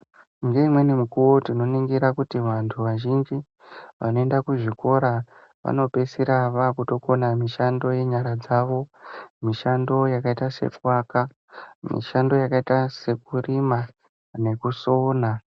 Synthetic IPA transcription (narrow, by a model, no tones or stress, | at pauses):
ŋɡe̞imwe̞nimukuwo̞tino̞niŋɡiɾakutiʋantʰuʋaʒind͡ʒi | ʋa̰no̞e̞ndakuʐiko̞ɾa | ʋa̰no̞pe̞siɾaʋakuto̞ko̞namiʃando̞je̞ɲaɾad͡zaʋo̞miʃando̞jakaitase̞̰kwaka | mḭʃando̞jakaitase̞kurima | ne̞kuso̞ːna